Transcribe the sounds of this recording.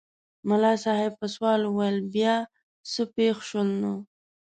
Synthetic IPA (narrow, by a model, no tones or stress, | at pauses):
mʊlɑsɑɦɪb̚pəswɑlwajəlbjɑ | səpexʃəlna